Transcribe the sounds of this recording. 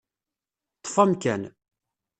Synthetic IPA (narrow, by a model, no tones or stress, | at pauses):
t̪ˤːfæmkæn